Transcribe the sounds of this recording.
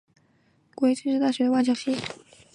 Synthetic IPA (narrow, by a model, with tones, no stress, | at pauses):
kwo˥˧˥s̩ʰ˥˧ʂɻ̩˥˧t̪̬a˥˩ɕɥɛ˧˥d̪ə˧wa˥˩t͡ɕjɑ˥˩ŋɕi˥